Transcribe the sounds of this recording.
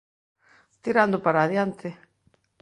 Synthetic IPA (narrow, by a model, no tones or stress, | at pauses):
t̪iɾand̪ʊpaɾaːðjant̪ʰɪ